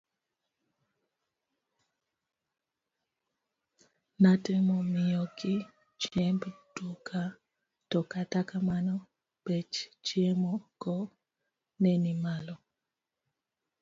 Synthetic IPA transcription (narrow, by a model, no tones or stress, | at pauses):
natemɔmɪjɔkɪ | t͡ʃɛmbtukʰa | tɔkatakamanɔ | pɛt͡ʃt͡ʃjemɔkɔ | nɛnimalɔ